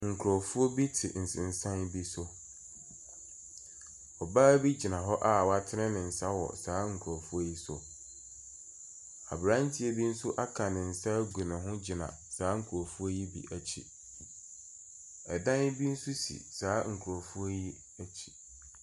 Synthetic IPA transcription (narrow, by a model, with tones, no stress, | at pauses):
ŋ̩˨kʰu˨ɾɔ˨fu˦ɔ˦bi˦tʰɪ̰˨n̩˨sɪ̃˨n̩˨sã˦n˦bi˦sʊ˦ | ɔ˨baː˦bi˦d͡ʑi˨nã˨ɦɔ˦ʔa˦˨wa˨tʰɪ˦nɪ̃˦nɪ̃˨n̩˨sa˦wɔ̰˨saː˨˦ŋ̩˨kʰu˨ɾɔ˨fu˦o˦ji˦sʊ˨ | a̰˨bɾã˦n˦tʰɪ˦e˦bi˦n̩˦sʊ˦ʔa˦kʰã˨nɪ̃˨n̩˨sa˦ɡu˨nã˨ɦʊ̃˦d͡ʑi˨nã̰˨ | saː˨˦ŋ̩˨kʰu˨ɾo˨fu˦o˦ji˦bḭ˦ʔæ˨t͡ɕʰḭ˦ | ɛ˨dã˦n˦bi˦n̩˦su˦sḭ˨saː˨˦ŋ̩˨kʰu˨ɾo˨fu˦o˦ji˦ | æ˦t͡ɕʰi̥˦